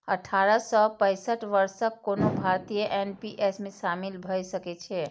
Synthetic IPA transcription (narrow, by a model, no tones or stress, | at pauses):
əʈʰaɾəsəpə̃ɪsəʈʋəɾsəkːonobʱaɾt̪ijəʔenpiʔesmesamilbʱəjsəkɛt͡ʃʰɛ